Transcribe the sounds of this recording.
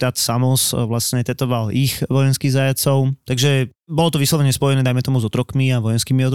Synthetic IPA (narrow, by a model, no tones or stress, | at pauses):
t̪at̪samɔsʋlasɲɛt̪ɛt̪ɔʋalixʋɔjɛnskiɣzajat͡sɔʊt̪aɡʒɛbɔlɔt̪ɔʋislɔʋɛɲɛspɔjɛnɛːd̪ajmɛt̪ɔmuzɔt̪ɾɔkmiaʋɔjɛnskiːmiɔt̪